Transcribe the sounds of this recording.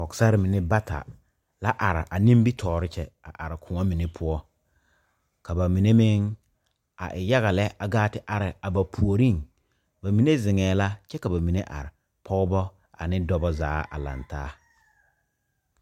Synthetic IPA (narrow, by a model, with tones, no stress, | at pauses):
ɔ˨ksa˦ɾɪ˦mɪ˨ne˦ba˦ta̰˨ | la˦ʔa˨ɾɪ̰˨ʔa˨nĩ˦mbi˦tʰɔː˨ɾɪ˦t͡ʃɛ˨a̰˨ʔa˨ɾɪ˨kʰʊ˨ŋɔ˦mɪ˨ne˦pʰʊ˦ɔ˦ | ka˨ba˨mi˨ne˦mɪ˦ŋ | a̰˨ʔɪ˨ja˦ɣa˨lɛ˦ʔa˨ɡaː˦tɪ˦ʔa˨ɾɪ˨a˨ba˨pʰu˨o˨ɾi˦˨ŋ | ba˨mi˨ne˦zɪ˨ŋɛː˨la˦t͡ʃɛ˦ka˨ba˨mi˨ne˦ʔa̰˨ɾɪ˨ | pʰɔ˦ɡʊ˦bɔ˦ | a̰˨nɪ˦dɔ˦bɔ˦za̰ː˨˦a̰˨la̰˨ntaː˦